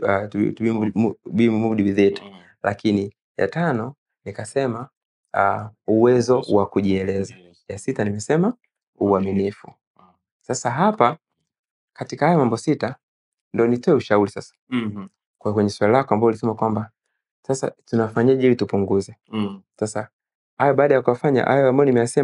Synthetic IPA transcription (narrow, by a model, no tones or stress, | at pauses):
atuiuɓimumuɗiwiðitḁ | lʔa̰kini | ja̰tanɔ | nikasɛma | uwɛzɔwakuʄiɛlɛza | jasitanimɛsɛma | uaminifṵ | sasaɦapa | katikahajɔmambɔsita | ndiɔnitɔɛuʃauɾisasḁ | kkwɛɲɛswalilakɔambaɔulisɛmakwamba | sasa̰tunafaɲaʄɛilitupuŋɡuzɛsasa | hajɔɓaːɗajakuafaɲa̰ʔa̰jɔambajɔnimɛjasɛ